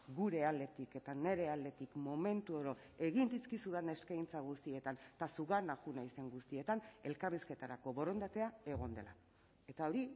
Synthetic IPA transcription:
ɡuɾe̞ald̪e̞t̪ike̞t̪ane̞ɾe̞ald̪e̞t̪ikmo̞me̞nt̪uoɾo | e̞ɣind̪iskisuðene̞skajnt͡saɣ̞ust̪ie̞t̪ant̪asuɣanaxunajse̞ŋɡust̪ie̞t̪ane̞lkariske̞t̪aɾako̞βo̞ɾo̞nd̪at̪e̞ae̞ɣ̞o̞nd̪e̞̰la | e̞t̪ao̞ɾi

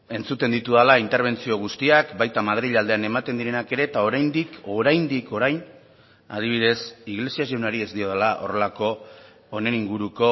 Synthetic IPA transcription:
e̞nt͡sut̪e̞nd̪it̪uðalaint̪eɾβ̞e̞nt͡sio̞ɣ̞ust̪iakbajt̪amað̞ɾiʎald̪e̞ane̞mat̪e̞nd̪iɾenake̞ɾe̞t̪ao̞ɾajnd̪iko̞ɾajnd̪iko̞ɾajn | a̰ð̞iβ̞iðe̞siɣle̞siasiewnaɾie̞zd̪io̞ð̞elaʔo̞̰re̞lako̞ː | ne̞niŋɡuɾuko̞

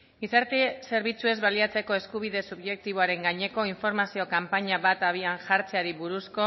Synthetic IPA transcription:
ɡisaɾt̪ese̞ɾβ̞it͡sue̞zβaliat͡se̞ko̞e̞skuβ̞iðe̞suβʝe̞k̚t̪iβ̞oaɾe̞ŋɡaɲe̞ko̞iɱfo̞ɾmasio̞kampaɲaβat̪aβ̞ianʝaɾt͡seaɾiβuɾusko̞

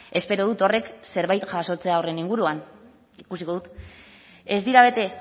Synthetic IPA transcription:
e̞spe̞ɾoðut̪o̞re̞kse̞ɾβajt̪ʝaso̞t͡se̞ao̞re̞niŋɡuɾuan | ikusiko̞ðut̪ | e̞zd̪iɾaβ̞e̞t̪e̞

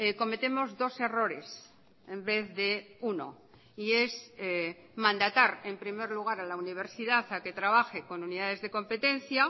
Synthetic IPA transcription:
ko̞me̞t̪e̞mo̞zðo̞se̞ro̞ɾe̞s | e̞mbe̞θðeuno̰ | iese | mãnd̪at̪aɾe̞mpɾime̞ɾluɣ̞aɾalauniβ̞e̞ɾsiðaθake̞t̪ɾaβaxe̞ko̞nuniðaðe̞zðe̞ko̞mpe̞t̪ẽ̞n̟θja

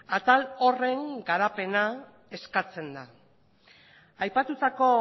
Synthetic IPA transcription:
at̪alo̞re̞ŋɡaɾape̞na | e̞skat͡se̞nd̪a | ajpat̪ut̪ako̞

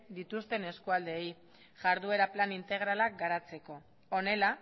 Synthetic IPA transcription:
d̪it̪ust̪e̞ne̞skuald̪e̞ːj | ʝaɾðue̞ɾaplanint̪e̞ɣ̞ɾalak̚ɡaɾat͡se̞ko̞ | one̞la

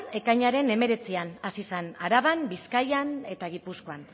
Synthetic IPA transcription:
ne̞kajɲaɾe̞ne̞me̞ɾe̞t͡sianasisanaɾaβambiskajane̞t̪aɣ̞ipusko̞an

